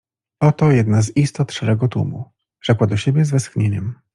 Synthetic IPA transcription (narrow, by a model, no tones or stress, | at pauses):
ɔt̪ɔjɛd̪nazist̪ɔt̪ʂɛɾɛɡɔt̪ṵmṵ | ʐ̥ɛkwad̪ɔɕebʲjɛzvɛsxɲeɲɛm